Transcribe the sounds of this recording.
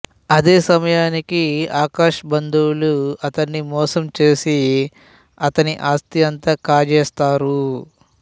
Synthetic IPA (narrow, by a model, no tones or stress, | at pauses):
ɐd̪eːsɐmɐjaːnikiaːkaːʂɐbɐnd̪uwluɐt̪ɐnːimɔːsɐmt͡ʃe̞ːsi | ɐt̪ɐniʔaːst̪iɐnt̪aːkaːd͡ʒɛːst̪aːɾu